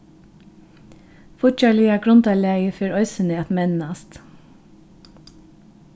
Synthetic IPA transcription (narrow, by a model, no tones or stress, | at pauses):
fʊt͡ʃɑlɪɑɡɾɔnt̪ʰɑlæəfœɾœʏsəneːt̪mɛnnɑst̪